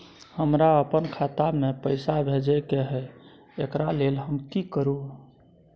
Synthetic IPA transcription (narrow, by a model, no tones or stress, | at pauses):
həmɾaəpənkʰat̪amepəjsabʱed͡ʒɛkeɦɛ | ekɾalelɦəmkikəɾu